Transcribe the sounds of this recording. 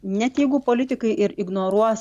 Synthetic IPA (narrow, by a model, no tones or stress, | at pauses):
nʲɛt̪jɛɪɡʊpoːlʲɪt̪ʲɪkɐɪʔɪɾɪɡnoːɾuɔs